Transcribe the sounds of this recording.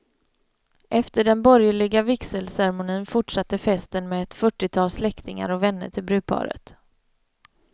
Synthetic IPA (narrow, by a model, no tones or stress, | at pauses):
ʔɛft̪əɖɛnbɔɾjəɭɪɡavɪksəlsæɾɛmʊniːnfʊʈʂat̪ːəfɛst̪ənmeːɛt̪fœʈːɪt̪ʰɑːlslɛkt̪ɪŋa̰ɾɔvɛnːə̰ʈʰɪlbɾʉ̟ːpʰɑ̰ːɾə̰t̪